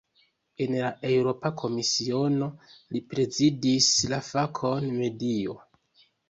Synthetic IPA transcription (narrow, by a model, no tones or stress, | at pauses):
e̞nlaʔe̞wɾo̞pakʰo̞misio̞no̞lipɾe̞zidislafakʰo̞nme̞dio̞̰